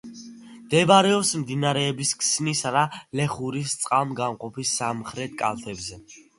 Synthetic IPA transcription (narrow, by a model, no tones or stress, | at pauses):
d̪̥ɛbaɾɛɔpsmd̪inaɾɛːbiskʰsnisanalɛχuɾist̪sʼqʼamɡamqʼɔpisːamχɾɛt̪̚ʰkʼa̰lˠt̪ʰɛbzɛ